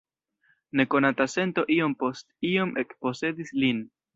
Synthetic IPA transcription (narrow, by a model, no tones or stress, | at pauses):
ne̞ko̞natase̞nto̞ʔio̞mpo̞stio̞mʔe̞kpo̞se̞dislin